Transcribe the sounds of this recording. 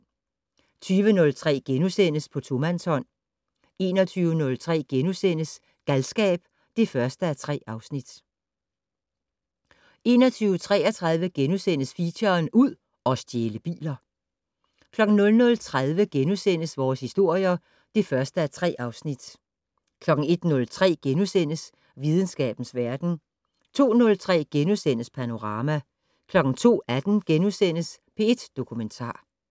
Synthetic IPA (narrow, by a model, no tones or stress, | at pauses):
t͡sʰyːʋənɔ̽lt͡sʰʁɛ̰ːɡ̥enusen̰əspʰɒ̽t͡sʰo̝mænshɒ̽n̰ | e̝ːnɒt͡sʰyːʋənɔ̽lt͡sʰʁɛ̰ːɡ̥enusen̰əs | ɡ̥ælsɡ̥ɛ̰ːb̥ | d̥e̝fɶɐsd̥əæt͡sʰʁɛ̰ːɑ̈ʊsnid̥ | e̝ːnɐt͡sʰyːʊət͡sʰʁɛ̰ːɐt͡sʰʁɑ̈ðˠʋəɡ̥enusen̰əsfiɕɐnuð̰ˠ | ɒ̽sd̥jeːləb̥ḭːlɐ | kʰlɒ̽ɡ̥n̩nɔ̽lnɔ̽lt͡sʰʁað̞ˠʋəɡ̥enusen̰əsʋɒːshisd̥o̝ɐ̰jɐ | d̥ifɶɐsd̥əæt͡sʰʁɛ̰ːʔɑ̈ʊsnid̥ | kʰlɒ̽ɡ̥ŋ̩e̝d̥nɔ̽lt͡sʰʁɛ̰ːɡ̥enusen̰əs | ʋið̞ˠn̩sɡ̥ɛ̰ːb̥n̩sʋæɐd̥n̩ | t͡sʰo̝̰ːnɔ̽lt͡sʰʁɛ̰ːɡ̥enusen̰əspʰæno̝ʁɑ̈ːmæ | kʰlɒ̽ɡ̥n̩t͡sʰo̝̰ːæd̥n̩ɡ̥enusen̰əspʰe̝e̝d̥ːo̝kʰument͡sʰɑ̰̈ː